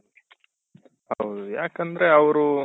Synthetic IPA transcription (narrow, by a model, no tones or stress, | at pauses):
ɐwd̪ujaːkɐnd̪ɾe̞ɐʋɾu